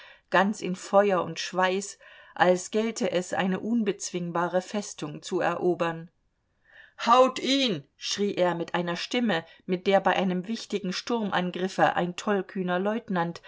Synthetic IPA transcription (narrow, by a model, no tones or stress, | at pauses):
ɡ̥ant͡sɪnfɔʏɐʊ̰ntʃv̥aɪsʔalsɡ̥ɛltʰəʔɛsʔa̰ɪnəʔʊnbət͡sv̥ɪŋbaːʁəfɛstʊŋt͡suɛ̰ɐʔoːbɐn | haʊtiːnʃʁ̥iːʔeːɐmɪtʔaɪnɐʃtɪməmɪt̚d̥eːɐbaɪʔaɪnəmvɪçtɪɡŋ̩ʃtʊɐmʔa̰nɡʁɪfəʔa̰ɪntʰɔlkʰyːnɐlɔʏtnant